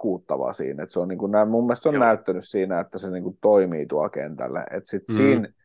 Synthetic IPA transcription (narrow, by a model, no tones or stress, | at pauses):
kuːt̪ːɑʋɑ̰sḭːnḛt̪seoniːŋkunnæmumːiest̪sonnæyt̪ːænyssiːnæet̪ːæseniːŋkut̪oimiːt̪uɑlkḛnt̪æ̰lːæ̰ḛt̪sit̪siːn